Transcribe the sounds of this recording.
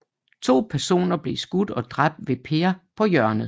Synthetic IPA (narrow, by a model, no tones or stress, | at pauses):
t͡sʰo̝̰ːpʰæɐso̝̰ːnɐb̥le̝sɡ̥ud̥ɒ̽d̥ʁab̥̚d̥ʋe̝pʰeːɐpʰɒ̽jɶɐnð̩ˠ